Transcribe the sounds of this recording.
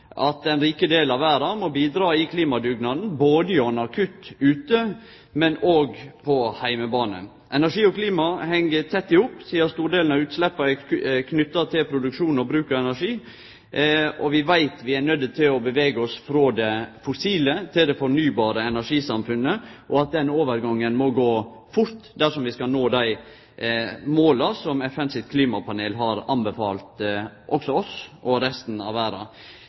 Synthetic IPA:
ʔɑt̪̚ɛnɾiːkəd̪eːlɑʋʋæːɾɑmɔbiːd̪ɾɑːɪkʰliːmɑd̪ʉɡnɑd̪n̩boːd̪əɪɔnɑkʰʉt̪ːʉːt̪ə | mɛnoːɡpʰɔhæɪməbɑːnə̰ | ʔɛnæʂiːɔkʰliːmɑhɛŋːət̪ʰɛt̪ːɪhʊpːsiːəst̪uːɾɖeːln̩ɑʉːt̪slɛpːəkʰnʏt̪ːɑt̪ʰɪlpʰɾʊd̪ʉkʂuːn̩ɔbɾʉːkəɾɛnæʂiː | ɔʋɪʋæɪt̪ʋɪæɳœd̪ːət̪ʰɪlɔbəʋeːɡəɔsfɾoːd̪ɛfʊsiːlət̪ʰɪld̪ɛfɔɾɳyːbɑːɾəɛnæʂiːsɑmfʉnːəʔɔɑt̪̚d̪ɛnoːʋəɾɡɑŋːənmɔɡoː | fʊɾt̪d̪æʂɔmʋɪskɑnoːd̪æɪ | moːlɑsɔmɛfɛnsɪt̪kʰliːmɑpʰɑneːlɦɑɾɑnbəfɑːlt̪ʔɔksɔɔsʔɔɾɛst̪n̩ɑ̰ʋæːɾɑ̰

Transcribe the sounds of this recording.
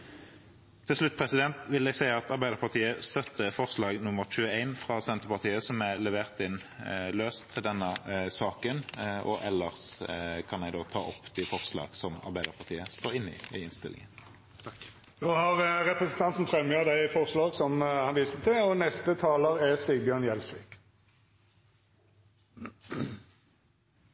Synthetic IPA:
t̪ʰːɪlsʂlʉt̪̚ːpʰʁɛsɪd̪ɛnt̪ʋɪlɛɡsæɪɑt̪ɑɾʁbæɪd̪əɾpɑʁt̪ʰiːəst̪œt̪ːəfɔʁslɑːɡnʊmːəʁc͡çʉːəæɪnfʁɑsɛnt̪əʁpɑʁt̪ʰiːəsɔmælɛʋeːʁt̪ɪnløːst̪ʰːɪld̪ɛnːəsɑːkənʔɔ̰ʔɛlːəʁskʰɑnɛɪɡd̪oːt̪ʰɑ̰ːʔɔpːt̪ʰɪfɔʁslɑ̰ːɡ̥sɔmɑ̰ʁbæɪd̪əɾpʰɑʁt̪ʰiːəst̪oːɾɪnːɪ̰ɪɪnst̪ɪ̰lɪ̰ŋən | d̪oːhɑʁʁɛpʁəsənt̪ɑnt̪nfɾœmjɑd̪æɪfɔʁslɑːɡsɔmhɑnʋiːspt̪ʰɛɔnɛst̪ət̪ʰɑːləʁɛsɪɡbjøːʁnjɛlsʋḭːk

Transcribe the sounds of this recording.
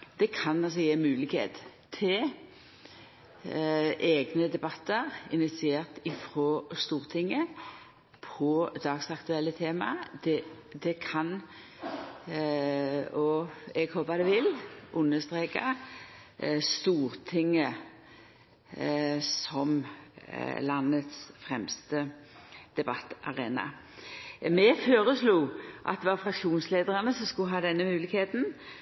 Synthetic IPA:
d̪̥ɛkʰɑnɑls̬ɔjeːmʉːlɪɡhḛːt̪ | t̪ʰːɪl | ʔeːɡnəd̪ɛbɑt̪ːəʁɪnɪt̪sɪeːʁt̪ɪfɾoːst̪uːʁt̪ʰɪŋːə | pʰɔd̪ɑːɡsɑkt̪ʉɛlːət̪ʰeːmɑ̰d̪̥ɛ | d̪ɛkʰɑn | ɔɛɡhoːpəd̪ɛʋɪlʔʊnːəst̪ʁeːkɑ̰ | st̪uːɾt̪ʰɪŋːə | sɔm | lɑnət̪sfʁɛmst̪əd̪̥ɛbɑt̪ːʔɑʁeːnɑ̰ | mɛføːɾəsluːʔɑ̰t̪̚d̪ɛʋɑfʁɑkʂuːnsleːd̪əʁɑnəsɔmskʊɦɑːd̪ɛnːəmʉːlɪɡheːt̪n̩

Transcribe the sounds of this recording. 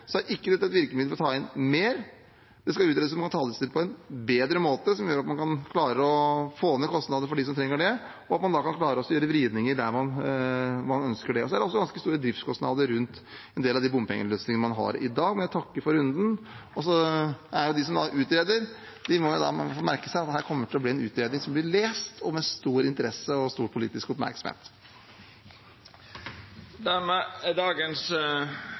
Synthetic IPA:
sɔæɾʔɪkːəd̪ɛt̪ːɛt̪ʋɪɾkəmɪd̪əɔt̪ʰɑːɪnmeːɾ | d̪̥ɛskɑʉːt̪ɾeːd̪əsɔmkɑnt̪ʰɑːd̪əsɪnpʰɔɛnbeːd̪ɾəmoːt̪əsɔmjøːɾɑt̪mɑnkʰɑnkʰlɑːɾəɔfoːnmɛkʰɔst̪nɑːd̪əfɔɖɪs̬ɔmt̪ʰɾɛŋːəɖɛ | ɔɑt̪̚mɑnd̪ɑkɑnkʰlɑːɾəɔsːɔjøːɾəʋɾiːd̪nɪŋəɾɖ̪æɾmɑn | mɑnœnskəɖɛɔsɔd̪æɾɖɛɔsːɔɡɑnskəst̪uːɾəd̪ɾɪft̪skʰɔst̪nɑ̰ːd̪əɾɾʉnt̪ɛnd̪eːlɑʋd̪ibʊmːəpʰɛ̰ŋəløːsnɪŋənəmɑnɦɑ̰ɾɪ̰d̪ɑːɡmɛnjæɪt̪ʰɑkːəɾfɔɾʉnd̪n̩ɔsɔæɾjʊd̪ɪs̬ɔmd̪ɑʔʉːt̪ɾeːd̪əɾ | d̪̥ɪmɔʊd̪ɑ̰fomæɾkəsæɪɑt̪̚d̪hæːɾkʰɔmːəʈʰɪlɔbliːɛnʉːt̪ɾeːd̪ɪŋsɔmblɪɭeːst̪ʰɔmɛst̪uːɾɪnt̪əɾɛsəɔst̪uːɾpʰʊlḭːt̪ɪskɔpmæ̰ɾksɔmhḛːt̪ | d̪æɾmɛd̪ɑːɡəns

